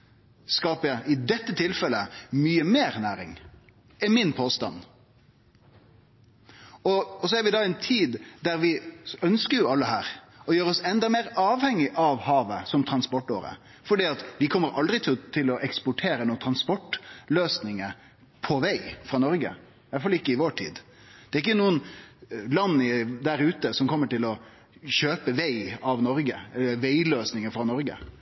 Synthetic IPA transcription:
skɑːpəjæʔɪd̪ɛt̪ːət̪ʰɪlfɛlːəmyːəmeːɾnæːɾɪ̰ŋ | ɪmɪnpʰoːst̪ɑ̰n | ɔɔs̬ɔæɾʋɪd̪ɑɛnt̪ʰiːd̪d̪æɾʋɪœnskəɾjʊɑlːəhæːɾ | ɔjøːɾəɔsɛnd̪ɑmeːɾɑːʋhɛŋːɪʔɑʋhɑːʋəsɔmt̪ʰɾɑnspɔʈːoːɾə̰ | fɔɖiːɑt̪ʋɪkʰɔmːəɾʔɑld̪ɾɪt̪ʰɪlt̪ʰɪlɔʔɛkspʊʈʰeːɾənuːənt̪ʰɾɑnspɔʈːløːsnɪŋəɾ | pʰɔʋæɪfɾɑːnɔɾɡə̰ | ʋɑtfɑlɪkːəɪʋoːʈʰḭːd̪ | d̪̥ɛɾɪkːənuːənlɑnːɪd̪æɾʉːt̪əsɔmkʰɔmːəʈɪlɔ | ɕøːpəʋæɪɑʋnɔɾɡəɛlːəɾʋæɪløːsnɪŋəfɾɑnɔɾɡə̰

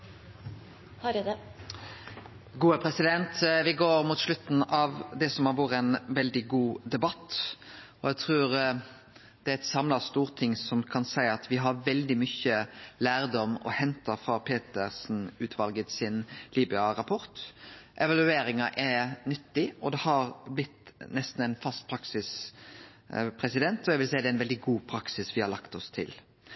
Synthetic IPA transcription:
hɑɾɛd̪ɛ | ɡuːəpʰɾɛsɪd̪ɛnt̪ʋɪɡoːɾmuːt̪ʂlʉt̪n̩ɑʋd̪ɛsɔmhɑɾʋoːɾəɛnʋɛld̪ɪɡuːd̪ɛbɑt̪ː | ɔæɡt̪ʰɾʉːɾ | d̪̥ɛæɾɛt̪sɑmlɑst̪uːʁt̪ʰɪŋsɔmkʰɑnsæɪɑt̪ʰʋɪɦɑɾʋɛld̪ɪmʏçəlæːɾd̪ɔmːɔ̰hɛnt̪ɑfɾɑpʰeːt̪əɾsn̩ʉːt̪ʰʋɑlɡət̪sɪnliːbʏɑɾɑpʰɔɾt̪ʔɛʋɑlʉeːɾɪŋɑʔænʏt̪ːɪɔd̪ɛhɑɾblɪt̪nɛst̪n̩æɪnfɑst̪̚pʰɾɑksɪs | pʰɾɛsɪd̪ɛnt̪ɔæɡʋɪlsæɪd̪ɛæɪnʋɛld̪ɪɡuːpʰɾɑksɪsʋɪhɑɾlɑkt̪ɔst̪ʰɪ̰l

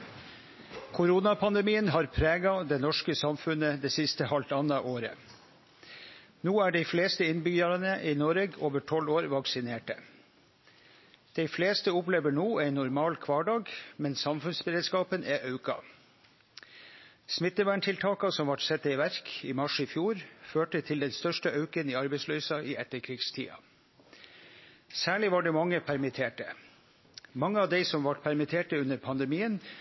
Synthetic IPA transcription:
kʰʊɾuːnɑpʰɑnd̪ɛmiːənɦɑːɾpʰɾeːɡɑd̪ɛnɔʂkəsɑmfʉnəd̪eːsɪst̪əhɑlt̪ɑnɑʔoːɾə̰ | nuːæːɖiɪfleːst̪əɪnbʏɡɑɾɑnəʔiːnɔɾəɡoːʋəʈʰɔloːɾʋɑksɪneːʈə | d̪̥ɛɪfleːst̪əʊpleːʋəɳuːæɪnʊɾmɑːlkʰʋɑːɖɑːɡmɛnsɑmfʉnsbəɾeːd̪skɑːpənʔæʔɑʉkɑ̰ | smɪt̪ːəʋæːɳʈʰɪlt̪ʰɑːkɑsɔmʋɑʈsɛt̪ːəiːʋæɾkiːmɑʂifjuːɾføːʈət̪ʰɪld̪ɛnst̪œʂʈəɑʉkəniːɑɾbɛɪslœʏsɑʔiːʔɛt̪ːəɾkʰɾiːɡst̪ʰḭːɑ̰ | sæːɭɪʋɑːɖɛːmɑŋːəpʰæɾmɪt̪ʰeːʈə̰ | mɑŋːəɑːʋd̪ɛɪsɔmʋɑʈpʰæɾmɪt̪ʰeːʈəʉnːəɾpʰɑnd̪ɛmiːən

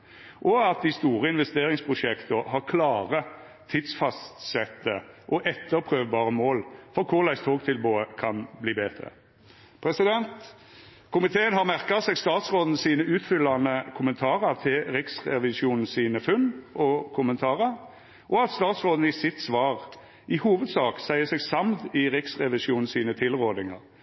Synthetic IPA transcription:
ʔɔɑt̪̚d̪ɪst̪uːʁəɪnʋɛst̪eːɾɪŋspʰʁʊʂɛkt̪əɦɑʁkʰlɑːʁə | t̪ʰɪd̪sfɑst̪sɛt̪ːəʔɔʔɛt̪ːəɾpʰɾøːʋbɑːʁəmoːlfɔɾkʰʊʁlæɪst̪ʰoːɡt̪ʰɪlboːəkʰɑnbliːbeːd̪ɾə̰ | pʰɾɛsɪd̪ɛnt̪ | kʰʊmɪt̪ʰeːənɦhɑʁmæɾkɑsɛːɡst̪ɑːt̪sʁoːd̪n̩siːnəʉːt̪fʏlːɑnəkʰʊmənt̪ʰɑːʁəɾt̪ʰɪlɾɪksʁɛʋɪʃjuːnn̩siːnəfʉnɔkʰʊmənt̪ʰɑːʁəɾ | ʔɔɑt̪st̪ɑːt̪sʁoːd̪n̩əɪsɪt̪sʋɑːʁ | ʔɪhuːʋəd̪sɑːksæɪəsɛɡsɑmt̪ɪʁɪksʁɛʋɪsuːnn̩siːnət̪ʰɪlʁoːd̪ɪŋɑ̰ʁ

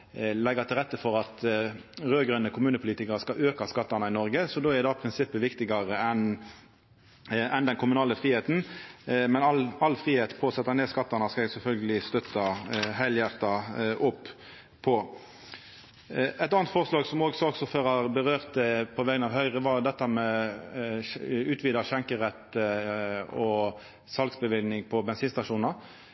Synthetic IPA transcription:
lɛɡət̪ʰɪlʁɛt̪ːəfɔʁɑt̪ | ʁøːɡʁœnːəkʰʊmʉːnəpʰʊliːt̪ɪkəʁəskɑøːkɑskɑt̪ːɑnəɪnɔʁɡəsɔd̪oːæɾd̪ɑpʰʁɪnsɪpːəʋɪkt̪ɪɡɑʁəɛn | ɛnd̪ɛnkʰʊmʉnɑːləfʁiːheːt̪n̩mɛnɑɑlfɾiːheːt̪pʰoːsɛt̪ːɑneːskɑt̪ːɑnɑskɑɛɡsɛlfœlɡəlɪst̪œt̪ːɑhæɪljæʁt̪ɑʔʊpː | pʰɔ | ɛt̪ɑːnt̪fɔʁslɑːɡsɔmoːɡsɔɡsɔføːɾɑʁbəʁøːʁt̪ɛpʰɔʋɛːɡənɑːʋɦœʏʁəʋɑd̪ɛt̪ːəmɛ | ʉːt̪ʰʋiːd̪ɑʃɛŋkəʁɛt̪ːə | ɔ | sɑlɡsbəʋɪlnɪŋpʰɔbɛnsiːnst̪ɑʂuːnɑʁ

